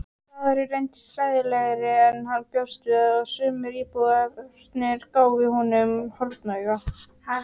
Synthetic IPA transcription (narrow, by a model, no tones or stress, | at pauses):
θavaɾɪɾejnt̪ɪ̥sɾaːjðɪlɛɣɾɪɛnhanːpjɔwst̪vɪɔɣsʏːmɪɾiːpuɣaɾt̪nɪɾ̥kaːwvɪhɔnʏmhɔlt̪nœɥɣa